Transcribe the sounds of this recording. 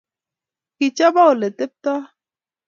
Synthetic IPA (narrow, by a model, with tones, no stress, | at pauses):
ki˨t͡ʃa˦ba˦o˨le˨t̪e˦p̚t̪a˦